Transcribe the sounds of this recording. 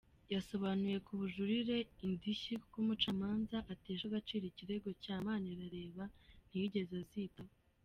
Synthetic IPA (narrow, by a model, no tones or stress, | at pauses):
jaso̞βanuje̞kʰuβuʒuɾiɾe̞indiʃikumut͡ʃamaːnzaʔateːʃaɡat͡ʃiːɾiciɾe̞ɡo̞caːmaːniɾaɾe̞ːβan̥ijiɟe̞zaziːtawo